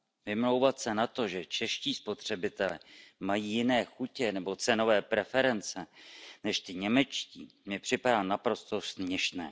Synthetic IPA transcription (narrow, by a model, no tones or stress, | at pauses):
vɪmlo̞wvat̪sɛnat̪o̞ʒɛt͡ʃɛʃciːspo̞t̪r̝̥ɛbɪt̪ɛlɛmajiːjɪnɛːxucɛnɛbo̞t͡sɛno̞vɛːpɾɛfɛɾɛnt͡sɛnɛʃt̪ɪɲɛmɛt͡ʃciːmɪpr̝̥ɪpadaːnapɾo̞st̪o̞smɲɛʃnɛː